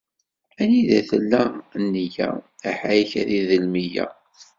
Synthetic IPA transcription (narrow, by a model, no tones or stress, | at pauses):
æniðæθəlːænːəjæ̰æħajçæðiðəlmijæ̰